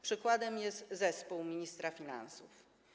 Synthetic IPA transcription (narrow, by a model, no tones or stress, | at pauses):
pʂɘkwad̪ɛmjɛst̪zɛspuwmʲiɲist̪ɾafʲina̰nsuf